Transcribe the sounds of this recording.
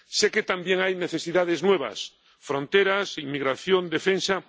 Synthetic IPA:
seket̪ambjeŋajneθe̞siðaðeznwe̞βa̰s | fɾõ̞nt̪eɾasiŋmiɣɾaθjond̪efẽnsa

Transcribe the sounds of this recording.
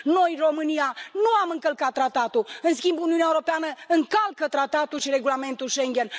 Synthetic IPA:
no̞jro̞mɨnianuamɨŋkəlkat̪ːɾat̪ːat̪uɨnskʲimbuniuneaeuɾo̞peanəɨŋkalkət̪ɾat̪at̪ulʃiɾe̞ɡulame̞nt̪ulʃe̞ŋɡʲe̞n

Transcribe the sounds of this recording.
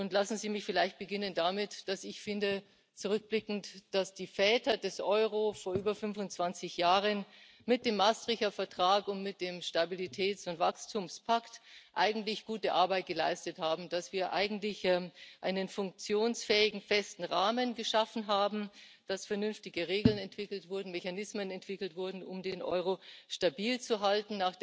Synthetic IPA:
ʔʊntlasn̩ziːmɪçfɪlaɪçt̚b̥əɡɪnəndamɪtd̥asɪçfɪndə | t͡suʁʏk̚b̥lɪkŋ̩td̥asd̥iːfɛːtɐdɛsʔɔʏʁofoːɐʔyːbɐfʏnvʊnt͡sv̥ant͡sɪçjaːʁən | mɪt̚d̥eːmːastʁ̥ɪçɐfɛɐtʁ̥aːkʊntmɪt̚d̥eːmʃtabilitʰɛːt͡sʊntv̥akstʰuːmspʰaktʔa̰ɪɡŋ̩tlɪçɡ̥uːtəʔaɐbaɪt̚ɡ̥əla̰ɪstəthaːbm̩d̥asv̥iːɐʔa̰ɪɡŋ̩tlɪçʔaɪnənfʊŋk̚t͡sjoːnsfɛːɪɡŋ̩fɛstn̩ʁaːmənɡəʃafn̩ɦaːbm̩d̥asfɛɐnʏnftɪɡəʁeːɡl̩nɛntv̥ɪkl̩tv̥ʊɐdn̩mɛçanɪsmənɛntv̥ɪkl̩tv̥ʊɐdn̩ʊmdeːnʔɔ̰ʏʁoʃtabiːlt͡suɦaltn̩naːχ

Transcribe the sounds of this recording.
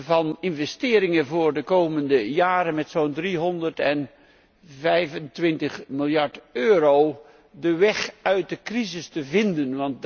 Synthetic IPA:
vɑnɪnvɛstɪːɾɪŋəvʊːɹdəkowməndəjaːɾənmɛtsondriɦɔndəɹtɛn | vɛjvəntʋɪntəχmɪlˠjɑɹtøːɾow | dəʋɛχœɥt̚dəkrizɪstəvɪndənʋɑnt

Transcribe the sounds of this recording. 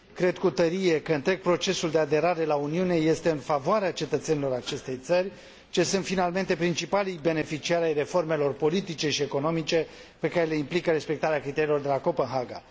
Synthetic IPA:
kɾe̞d̪kut̪əɾije̞kəɨnt̪ɾe̞ɡ̚pɾo̞t͡ʃe̞suld̪e̞ad̪e̞ɾaɾe̞launiune̞je̞st̪e̞ɨnfavoaɾeat͡ʃe̞t̪ət̪senilo̞ɾat͡ʃe̞st̪e̞jt̪sərʲ | t͡ʃe̞sunt̪finalme̞nt̪e̞pɾint͡ʃipalijbe̞ne̞fit͡ʃiaɾʲajre̞fo̞rme̞lo̞rpo̞lit̪it͡ʃe̞ʃie̞ko̞no̞mit͡ʃe̞ | pe̞kaɾele̞implikəɾe̞spe̞k̚t̪aɾeakɾit̪e̞ɾilo̞rd̪e̞lako̞pənɦaɡa̰

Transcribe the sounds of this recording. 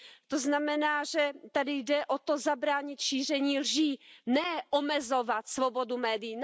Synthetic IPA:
t̪oznamɛnaːʒɛt̪adɪjdɛʔot̪o̞zabɾaːɲɪt̪ʃiːr̝ɛɲiːlʒiːnɛʔomɛzo̞vat̪svobo̞dumɛːdɪjin

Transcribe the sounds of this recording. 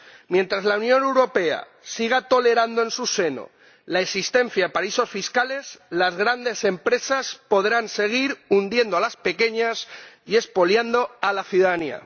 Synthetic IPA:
mje̞nt̪ɾazlaunjõ̞ne̞wɾo̞pe̞a̰ | siɣ̞at̪o̞le̞ɾand̪oe̞nsuse̞no̞̰ | laesist̪e̞nθjaðepaɾaiso̞sfiskale̞zlazɣɾand̪e̞se̞mpɾe̞saspo̞ðɾanse̞ɣ̞iɾund̪jend̪oalaspe̞ke̞ɲasie̞spo̞ljand̪oalaθjuðaðania̰

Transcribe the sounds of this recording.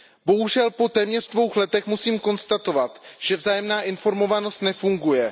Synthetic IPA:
bo̞ɦuʒɛlpo̞t̪ɛːmɲɛrdvo̞wxlɛt̪ɛxmusiːmko̞nst̪at̪o̞vat̪ʒ̥ɛvzaːjɛmnaːʔɪnfo̞ɾmo̞vano̞st̪nɛfuŋɡujɛ

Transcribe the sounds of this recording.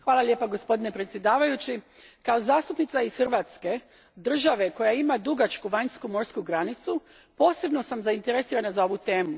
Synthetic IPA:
xʋaːlˠalʲje̞ːpaɡo̞spo̞d̪inepɾe̞t̪sjed̪aːʋajut͡ɕikao̞zaːst̪upnit̪saisxrʋaːt̪ske̞ | d̪r̩ʒaʋe̞ko̞jaimad̪uɡat͡ʃkuʋaɲskumo̞ɾskuɡɾanit̪su | po̞ːse̞bno̞samzaint̪e̞ɾesiːɾanazao̞ʋut̪e̞ːmu

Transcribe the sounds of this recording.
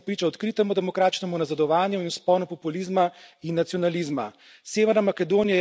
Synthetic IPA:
pɾiːt͡ʃaɔt̪kɾit̪ɛmud̪ɛmɔkɾaːt̪t͡ʃnɛmunazad̪ɔʋaːnjuinspɔlnɔpɔpulizmainːat̪siɔnalizma | seːʋɛɾnamakɛd̪oːnija

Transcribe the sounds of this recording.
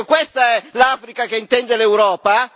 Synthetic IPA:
kwest̪aɛlaːfɾikakeint̪ɛnd̪elewɾɔːpa

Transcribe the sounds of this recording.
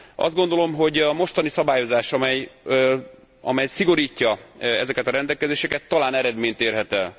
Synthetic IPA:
ɒ̰zd̪̚ɡo̞nd̪o̞lo̞mɦo̞ɟɒmo̞ʃt̪ɒnisɒbaːjo̞zaːʃɒmɛj | ɒ̰mɛjsiɡo̞ɾiːcːɒɛzɛkɛt̪ɒɾɛnd̪ɛlkɛzeːʃɛkɛt̪ːɒlaːnɛɾɛd̪meːɲt̪eːrɦɛt̪ɛl

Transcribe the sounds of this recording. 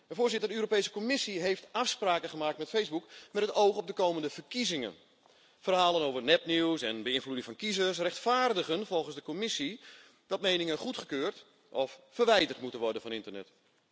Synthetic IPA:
əfoːrzɪtərdəøːɾopejsə̥komɪsiɦejftafspraːkəχəmaːktmɛtfejzbukmɛtətowxɔp̚dəkoːməndəvərkizɪŋə̰n | fərɦaːlənoːvərnɛpniwsɛnbəɪnfludɪŋfɔnkizəs̬rɛχtfaːrdəɣənfɔlˠχənzdəkomɪsi | dɑt̚mejnɪŋəχutχəkøːrt | ʔɔfːərʋɛjdərtmutənʋɔrdənfɔnɪntərnɛ̰t

